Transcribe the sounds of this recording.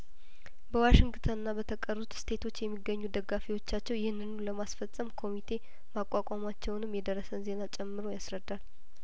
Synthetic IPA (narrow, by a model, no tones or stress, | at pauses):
bəwaʃɪŋɡt̪ʰənɨnːabət̪ʰəkʼərut̪st̪ʰe̞t̪ʰo̞t͡ʃːjɛmːiɡːəɲːud̪əɡːafiwo̞t͡ʃːat͡ʃːɛwjɪhɨnːɨnuləmasfəsʼəmkʰo̞mit̪ʰe̞ | makʼːakʷʼamat͡ʃːɛwnɨmjɛd̪ərːəsənze̞nat͡ʃʼɛmːɨɾo̞jasɾəd̪ːal